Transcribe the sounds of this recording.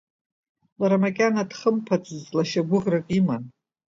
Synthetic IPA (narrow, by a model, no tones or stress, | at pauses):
laɾamakʲʼanadχəmpʰat͡sʼɨzlaʃaɡʷʊʁrakʼiman